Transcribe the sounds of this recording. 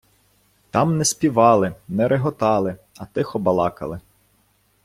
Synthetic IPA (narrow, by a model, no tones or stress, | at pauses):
t̪ɑmnɛspʲiʋɑlˠɪnɛɾʔeɦɔt̪ɑlˠɪ | ɐt̪ɪxɔbɐlˠɑkɐ̰lˠɪ